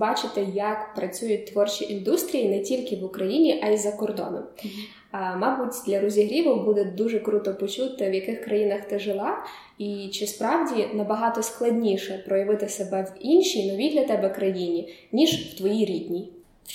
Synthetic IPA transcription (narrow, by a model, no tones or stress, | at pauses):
bɑt͡ʃɪt̪ɪjɐkpɾɐt͡sʲujʊt̚ʲt̪ʋɔrt͡ʃʲiʔind̪ust̪ɾʲijinɛtʲilʲkɪʋʊkɾɐjinʲiʔɐizɐkɔrd̪ɔ̰nɔ̰m | mɑbutʲd̪lʲɐɾɔzʲiɦɾʲiʋɔwbud̪ɛd̪uʒɛkɾut̪ɔpɔt͡ʃut̪ɪwjɐkɪxkɾɐjinɐxt̪ɪʒɪlˠɑ | it͡ʃɪspɾɑwdʲinɐbɐɦɑt̪ɔsklˠɐdʲnʲiʃɛpɾɔjɐʋɪt̪ɪsebɛʋinʲʃʲijnɔʋʲijd̪lʲɐt̪ɛbɛkɾɐjinʲinʲiʒw̥t̪ʋɔjijɾʲidʲnʲij